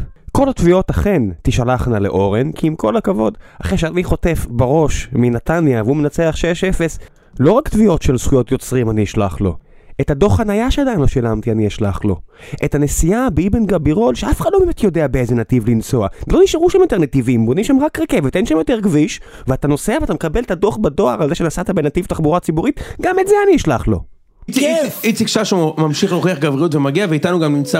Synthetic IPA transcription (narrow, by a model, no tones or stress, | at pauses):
ko̞latvio̞taχe̞ntiʃalaχnaleʔo̞ʁenkʰiimko̞lakavo̞daχʁeʃeaniχo̞te̞fbaʁo̞ʃminatanjaveumenat͡seaχʃeʃefes | lo̞ʁakt̪vio̞tʃelsχujo̞t̪jo̞t͡sʁimaniiʃlaχlo̞̰ | ethad̪o̞χanajaʃead̪ajnloʃilamt̪ianiaʃlaχlo̞̰ʔetane̞sijabeibenɡabiʁo̞lʃeafe̥χad̥̪lo̞bemet̪jo̞deabeezenativlint͡so̞alo̞niʃaʁuʃamjotenetivimbonimʃamʁakʁeke̞vet̪enʃamjo̞teʁɡviʃ | veatano̞seaveatamekabe̞let̪ado̞χbado̞aʁalzeʃenasat̪abe̞nativt̪aχbuʁat͡sibuʁitɡametzeaniaʃlaχlo̞̰ | it͡sikʃaʃumamʃiχloχiaχɡavʁiutvemaɡiaveitanuɡamnimt͡sa